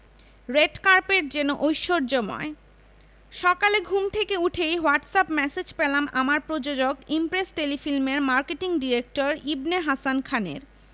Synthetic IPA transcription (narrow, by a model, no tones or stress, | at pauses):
ɾeɖkaɾpeɾd͡ʑenoʔojʃːoɾd͡ʑomɔ̰e | ʃɔkaleɡʱumt̪ʰekeuʈʰejɦoaɾʈsapmɛsed͡ʑpelamamaɾpɾod͡ʑod͡ʑoɡimpɾesʈelifilmeɾmaɾkeʈiŋɖiɾek̚ʈoɾibneɦasankʰanḛɾ